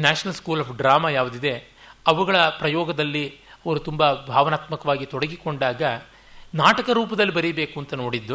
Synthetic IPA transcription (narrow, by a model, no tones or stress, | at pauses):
naːʂɐnɐlskuːlaːpʰɖɾaːmaːjaːʋud̪id̪e̞ | ɐʋɐɡɐɭɐpɾɐjɔːɡɐd̪ɐlːiɐʋɐɾut̪umbɐbʱaːʋɐnaːt̪mɐkɐʋaːɡit̪ɔɽɐɡikoɳɖaːɡɐ | naːʈɐkɐɾuːpɐd̪ɐlːibɐɾibe̞ːkuɐnt̪ɐno̞ːɽid̪ːu